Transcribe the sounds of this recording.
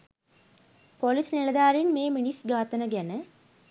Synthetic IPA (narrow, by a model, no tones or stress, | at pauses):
polisnilɐd̪aːɾinmeːminisɡaːt̪ənəɡænə